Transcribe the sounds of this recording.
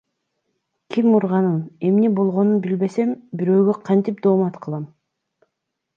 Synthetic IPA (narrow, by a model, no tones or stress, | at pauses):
kʰimːuɾʁɑnɯne̞mnebo̞lˠʁo̞nunbilbe̞se̞mbiɾø̞ːɡøqʰɑnt̪ip̚d̪oːmɑt̪qʰɯlˠɑm